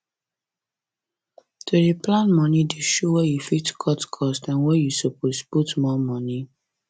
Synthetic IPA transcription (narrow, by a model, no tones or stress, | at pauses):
tʰodeplãnmɔnideʃowɛjufitkʰɔtkʰɔstãnwɛjusɔposputmɔmɔni